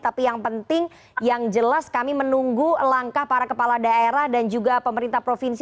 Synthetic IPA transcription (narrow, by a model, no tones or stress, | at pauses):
t̪apijaŋpənt̪ɪŋ | jaŋd͡ʒəlaskamimənuŋɡulaŋkahpaɾakəpalahdaeɾahdand͡ʒuɡapəməɾint̪ahpɾofins